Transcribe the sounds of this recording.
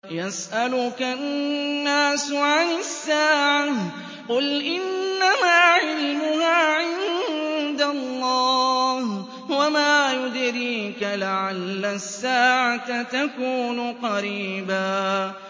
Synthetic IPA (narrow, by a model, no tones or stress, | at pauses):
jasʔalʊkanːaːsʕanɪsːaːʕa | qʊlʔɪnːamaːʕɪlmʊhaːʕɪnd̪alˤːɑːh | wamaːjʊd̪ɾiːkalaʕalːasːaːʕat̪t̪akuːnʊqɑɾiːbaː